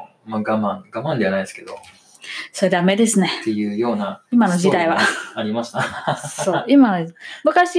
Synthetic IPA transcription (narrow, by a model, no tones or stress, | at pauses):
maɡamãŋɡamãnd̪e̞anaid̪esɨ̥ke̞d̪o̞̰ | so̞ɾe̞d̪ame̞d̪e̞sɨne̞t̪ejɯ̟ːjo̞ːnaimano̞ʑid̪aiβ̞aːɾʲimaɕi̥t̪aso̞ːimanomɯ̟kaɕi